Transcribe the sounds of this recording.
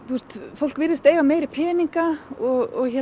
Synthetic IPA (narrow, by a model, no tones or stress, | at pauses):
t̪ʰust̪fowl̥kvɪɾðɪst̪eːjvameːjɾipʰɛːniŋkaɔɣɔɣçɛ